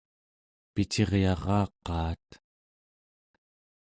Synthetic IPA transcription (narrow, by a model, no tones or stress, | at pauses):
pit͡ʃe̞ʁjɑʁɑːqːɑːt̪